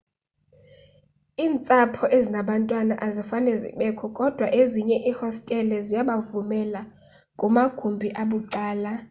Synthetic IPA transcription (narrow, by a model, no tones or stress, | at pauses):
iːnt͡sʼapʰɔʔezinaɓantʼwanaʔazifanɛzḭɓɛkʰɔkʼɔd̥ʱwaʔeziɲɛʔihɔstʼɛlɛzijaɓavumɛla | kʼumaɡ̥ʱumbʱiʔaɓuǃaːla